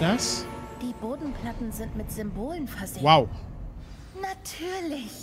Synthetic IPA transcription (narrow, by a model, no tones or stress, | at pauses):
d̥asd̥iːboːdn̩pʰl̥atn̩zɪntmɪtz̥ʏmboːlənfɛɐzɪwaʊ | natʰyːɐlɪç